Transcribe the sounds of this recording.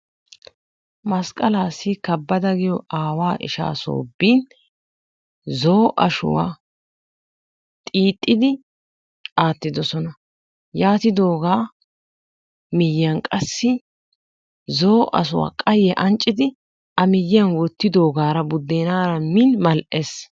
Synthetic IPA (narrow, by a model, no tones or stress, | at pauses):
mɐskʼɐlaːsːɪkɐbːɐd̪ɐɡɪjɔaːwaːʔɪ̰ʃa̰ːso̰ːbːiːn | zo̞ːʔɐʃʊ̰wa̰ː | t̪ʼiːt̪ʼːɪd̪ɪ | ʔaːt̪ːɪd̪ɔsɔnɐ | jaːt̪ɪd̪o̞ːɡaː | mɪjɪjɐnkʼɐsːɪ | zoːʔɐ̰s̬ʊwa̰ːkʼɐjɛʔɐnt͡ʃʼːɪd̪ɪ | ʔɐmɪjːɪjɐnwɔt̪ːɪd̪o̞ːɡaːɾɐbʊd̪ːeːnaːɾɐminmɐlʔes